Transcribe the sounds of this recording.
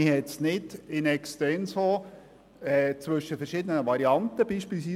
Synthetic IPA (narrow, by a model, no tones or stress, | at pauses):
ɪhɛtsnɪdɪnɛkstɛnso | ɛt͡sʋɵʃːəfɛɾʃɪd̪ənəvɑɾiɑnt̪əb̥iːʃpiːlˠsiː